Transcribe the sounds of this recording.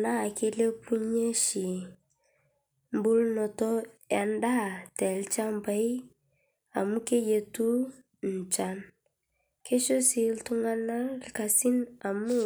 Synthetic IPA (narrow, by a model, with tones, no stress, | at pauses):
na˦˨ke˦le˦pu˦ɲe˦ʃi˨ | m˦bu˦lnɔ˨tɔ˦ja˨nda˦˨tɛ˨lt͡ʃa˦mba˦i˦ | a˨mu˦ke˦je˨tu˦ | n̩˨t͡ʃa˨n | ke˦ʃo˦si˨ltu˦ŋa˦na˦lka˨si˦na˨mu˦